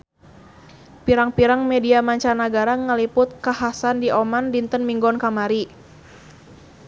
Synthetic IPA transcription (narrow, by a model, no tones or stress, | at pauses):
piɾaŋpiɾaŋmɛdiamaɲt͡ʃanaɡaɾaŋəlipʊt̪̚kaɦasandiʔɔmandint̪ənmiŋɡɔnkamaɾi